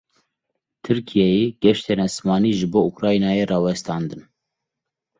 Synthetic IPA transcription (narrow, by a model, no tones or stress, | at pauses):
t̪ʰɨɾkʰijɛjeːɡ̥ɛʃt̪ʰenæsmɑːniːʒɨboːukɾɑːjnɑːjeːrɑːwɛst̪ɑːnd̪ɨn